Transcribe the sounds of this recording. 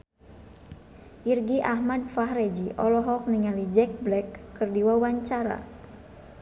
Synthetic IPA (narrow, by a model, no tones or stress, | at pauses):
ʔirɡiʔahmadfaɦrɛd͡ʒiʔɔlɔɦɔk̚niŋalid͡ʒɛk̚blɛkːɨrdiwawaɲt͡ʃaɾa̰